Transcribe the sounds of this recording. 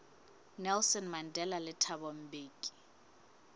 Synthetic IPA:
nɛlsɔnmandʱɛlalɪtʰabɔm̩beːki̥

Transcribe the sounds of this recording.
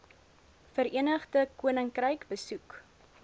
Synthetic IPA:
fəɾiənəχdəkuənəŋkrəjkbəsuk

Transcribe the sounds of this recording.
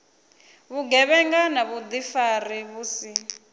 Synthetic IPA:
βuɡɛβɛŋɡanaβud̪ifariβuːsi

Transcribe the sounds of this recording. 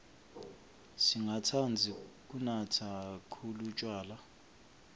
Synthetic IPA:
siŋɡatʰand͡zʱik̬ʼunatʰakʰulut͡ʃʼwaːla

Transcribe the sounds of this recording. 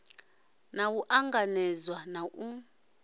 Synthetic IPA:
nawuʔaŋɡanɛzwanaʔu

